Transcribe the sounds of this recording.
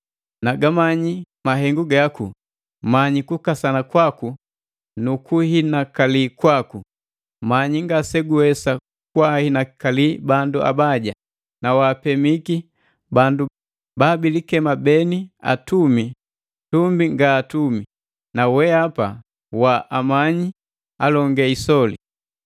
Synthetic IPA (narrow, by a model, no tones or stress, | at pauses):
naɡamaɲi | maɦɛŋɡuɡakṵ | maɲikukasanakwaku | nukuhɦinakalikwaku | maɲiŋɡasɛɡuɛsa | kwahinakalibanduʔa̰baɟa | nawaːpɛmiki | bandu | baːbilikɛmabɛnia̰tumi | tumbiŋɡaːtumi | nawɛapa | waʔamaɲi | alɔŋɡɛisɔlḭ